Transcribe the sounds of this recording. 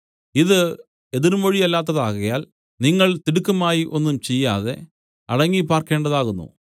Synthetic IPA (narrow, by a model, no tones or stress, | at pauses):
iðɨ | e̞ðiɾumoɻijɐlːaːt̪̬ːɐðaːɣɐjaːl | niŋːɐɭt̪iɽukːɐmaːjiʔo̞nːumt͡ɕe̞jːaːðe̞ | ɐɽɐŋːipaːrke̞ːɳɖɐðaːɣunːṵ